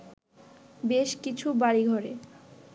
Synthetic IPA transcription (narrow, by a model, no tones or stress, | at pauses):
beʃkit͡ɕʰubaɽiɡʱɔɾe